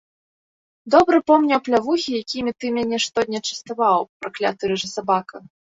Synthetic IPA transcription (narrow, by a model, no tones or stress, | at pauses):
d̪ɔbɾɨpɔmnʲɐwplʲavuxʲijakʲimʲit̪ɨmʲanʲɛʂt̪ɔd̪ʲnʲɐt͡ʂɐ̥st̪avawpɾaklʲa̰t̪ɨɾɨʐɨsabakɐ